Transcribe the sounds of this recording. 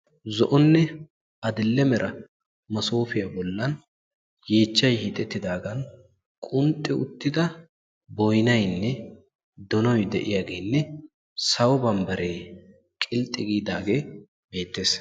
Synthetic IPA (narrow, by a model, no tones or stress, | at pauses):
zɔʔɔnːɛ | ɐd̪ɪlːɛmɛɾʔɐ | mɐsoːfɪjabɔlːɐn | je̞ːt͡ʃːɐjhit̪ʼːɛt̪ːɪd̪aːɡɐn | kʼʊnt̪ʼːɪʊ̰t̪ːɪd̪ɐ | bɔjnɐjnːɛ | d̪ɔnɔjd̪ɛʔɪjaːɡe̞ːnːɛ | sɐwɔbɐmbɐɾeː | kʼɪlt̪ʼːɪɡiːd̪aːɡe̞ː | be̞ːt̪ːe̞ːs